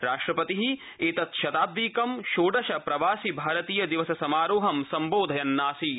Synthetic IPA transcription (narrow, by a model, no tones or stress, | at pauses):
ɾaːʂʈɾɐpɐt̪iɦi | eːt̪ɐt̪ʃɐt̪aːb̚d̪iːkɐmʃoːɖɐʃɐpɾɐʋaːsibʱaːɾɐt̪iːjɐd̪iʋɐsɐsɐmaːɾoːɦɐmsɐmboːd̪ʱɐjɐnːaːsi